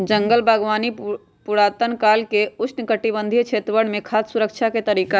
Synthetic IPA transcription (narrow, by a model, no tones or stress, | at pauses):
d͡ʒə̃ŋɡəlbʱəɡʋaːni | pʊɾaːt̪ənkaːlkeʊsʰnkəʈibə̃nd̪ʱit͡ʃʰeːt̪ɾəʋəɽ̃mẽkʰaːssuɾəkt͡ʃʰaket̪əɾiːka